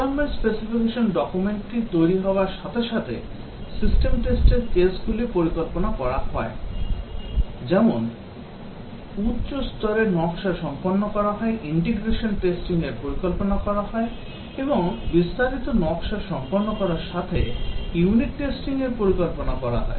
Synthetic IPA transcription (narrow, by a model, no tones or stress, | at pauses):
aɾmeɳʈspesifikeʃonɖɔkumeɳʈʈit̪ojɾiɦɔoaɾʃat̪ʰeʃat̪ʰḛ | sisʈemʈesʈeɾkesɡulipoɾikolponakɔɾahɔe | d͡ʑɛmon | utːɕost̪ɔɾenɔkʃaɾʃɔmponːokɔɾaɦɔeʔiɳʈeɡɾeʃonʈesʈiŋeɾpoɾikolponakɔɾaɦɔe | eboŋbist̪aɾit̪onɔkʃaɾʃɔmponːokɔɾaɾʃat̪ʰejuniʈːesʈiŋeɾpoɾikolponakɔɾa̰ɦɔ̰e